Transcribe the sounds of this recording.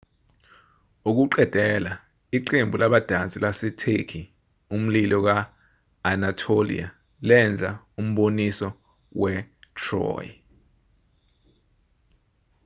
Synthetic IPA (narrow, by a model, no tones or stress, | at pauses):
uk̬uǃɛd̥ʱɛla | iǃembʱulaɓad̥ʱant͡sʼilasɛtʰekʰi | um̩lilɔk̬aː | natʰolḭa | lɛnd͡zʱa | um̩ɓonisɔ | wɛtʰrɔ̰ːj